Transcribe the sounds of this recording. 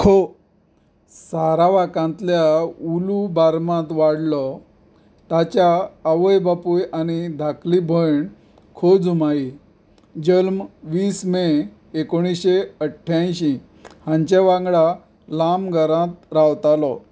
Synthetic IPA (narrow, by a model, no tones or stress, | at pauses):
kʰo | saɾaʋakãnt̪ljaulubaɾmãt̪ʋaɽlɔ | t̪at͡ɕjaːʋəjbapujañid̪ʱaklibʱəɳ | kʰod͡zumai | d͡ʑəlmʋiːsme | ekoɽ̃isɕeəʈʰːjãj̃ɕĩ | hãɲt͡ɕeʋãŋɡɭa | lamɡʱəɾãt̪ɾawt̪alɔ